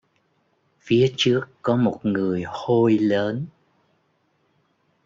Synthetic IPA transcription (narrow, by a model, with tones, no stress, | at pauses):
fi˨˦ət͡ɕɨ˦˥əkːɔ˨˦mo˨˩t̚ŋɨ˨˩əjho˧jləː˨˦n